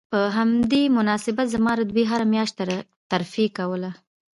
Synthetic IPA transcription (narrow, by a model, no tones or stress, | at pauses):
pəɦamd̪emʊnɑsɪbat̪zamɑɾad̪weɦaɾamjɑʃt̪t̪aɾ | t̪aɾfekawəla